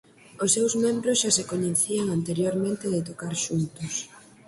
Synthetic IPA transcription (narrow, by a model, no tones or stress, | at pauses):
ʊsːewzmẽmbɾʊsʃasekoɲeθiaŋant̪eɾjoɾmẽnt̪eðet̪̬okaɾʃunt̪ʊs